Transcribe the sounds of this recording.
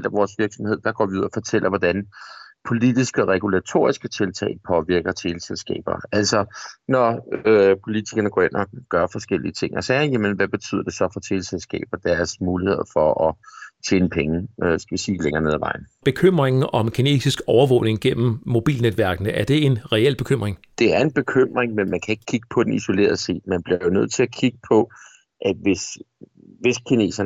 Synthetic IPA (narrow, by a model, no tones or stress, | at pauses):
l̰d̥æʋɒːsʋiɐɡ̥sɒmhe̝ð̞̰ˠd̥ɑ̈ɡ̥ɒ̰ːʋiuð̰ˠɐfɒ̽t͡sʰel̰ʔɐʋɒd̥ænpʰo̝lid̥isɡ̥əɒʁɛɡ̥ulæt͡sʰo̝̰ːɐisɡ̥ət͡sʰe̝lt͡sʰɛ̰ɪpʰɒ̽ʋiɐɡ̥ɐt͡sʰe̝lselsɡ̥ɛ̰ːb̥ɐ̰æl̰sɒ̽nɒ | pʰo̝lit͡sʰiɡ̥ɐnəɡ̥ɒ̰ːenʔɒɡ̥ɶɐfɒ̽sɡ̥el̰iət͡sʰe̝ŋ̰ɒsɛːjæmənʋæb̥e̝t͡sʰy̰ðˠɐd̥e̝sɒ̽fɒ̽t͡sʰe̝lselsɡ̥ɛ̰ːb̥ɐd̥æɐɐsmuːlihe̝ð̞̰ˠfɒ̽ʔɒ̽t͡ɕʰḛːnəpʰeŋəøsɡ̥æʋisiːleŋɐne̝ð̰ˠʋɑ̈ɪ̰n̩b̥e̝kʰøm̰ʁeŋn̩ʔɒ̽mkʰine̝̰ːsisɡ̥ɒʊɐʋɔ̰ʊne̝ŋɡ̥en̰m̩ːo̝b̥ḭːlned̥ʋæɐɡ̥nəæɐd̥e̝e̝nʁɛel̰b̥e̝kʰøm̰ʁeŋd̥e̝æɐe̝nb̥e̝kʰøm̰ʁeŋmenmænkʰæe̝ɡ̥ə̥kʰiɡ̥ə̥pʰɒ̽d̥eniso̝le̝̰ːɐ̰ð̞ˠse̝̰ːd̥̚mænb̥liɐjo̝nøð̰ˠt͡sʰe̝lækʰiɡ̥əpʰɒ̽ | ʔæ̥ʋe̝s | ʋe̝skʰine̝̰ːsɐn